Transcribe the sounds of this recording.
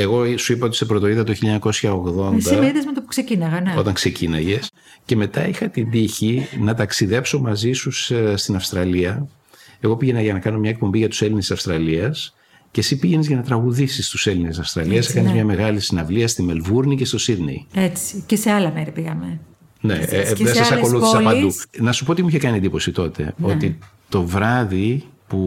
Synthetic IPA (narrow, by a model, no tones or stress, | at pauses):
e̞ɣo̞suipɐo̞t̪i̥sepɾo̞t̪o̞iðɐt̪oçiʎiɐɲɐko̞sçɐoɣðo̞nsd̪ɐimeɾiðezmet̪opuksecinɐɣɐneo̞t̪ɐŋkse̞cinɐʝe̞s | ce̞me̞t̪ɐixɐt̪ind̪içinɐt̪ɐksiðe̞pso̞mɐzisusst̪inɐfst̪ɾɐliɐ | e̞ɣo̞piʝe̞nɐʝɐnɐkɐno̞mɲɐek̚po̞mbiʝɐt̪u̥se̞linessɐfst̪ɾɐliɐs | ce̞sipiʝenizʝɐnɐt̪ɾɐɣuðisist̪use̞linesɐfst̪ɾɐliɐskɐnizmɲɐme̞ɣɐlisinɐvliɐst̪ime̞lvuɾnice̞st̪o̞siðne̞̰jet͡si̥ceseɐlɐmeɾipiɣɐme | nḛðesɐsɐko̞luθisɐpɐd̪unɐsu̥po̞ot̪imuiçekɐniend̪ipo̞sit̪o̞t̪e̞̰o̞t̪i | t̪o̞vɾɐðipu